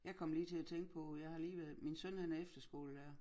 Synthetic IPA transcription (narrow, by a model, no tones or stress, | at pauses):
jɑ̈ɪkʰɒ̽mliːt͡sʰe̝læt͡sʰeŋɡ̥̚pʰɒ̽jɑ̈ɪhɑ̈liːʋæɐðˠminsɔnhe̝ð̰ˠæefd̥ɐsɡ̥o̝̰ːləd̥æɐ